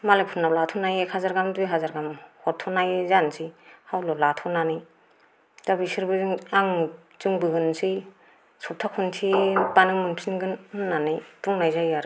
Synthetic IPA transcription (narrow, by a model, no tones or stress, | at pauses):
malapʰunawlatʰɔnajekʰazaɾɡamdujɦazaɾɡamhɔtʰːɔnajzansʰihawlɔlatʰɔnanɯj | zabisiɾbɯzɯŋaŋ | zɯŋbɯɡɯnsi | sɔp̚tʰakʰuntʰipanɯŋmɯnpʰinɡɯnnːanɯjtuŋnajzajaɾɯ